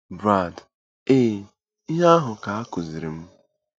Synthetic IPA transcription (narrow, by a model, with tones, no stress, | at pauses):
bɾa˦˨d | eː˦ | i˦ɦa˦a˦ɦʊ˨ka˨a˦kʊ˨zi˨ɾi˨m̩˦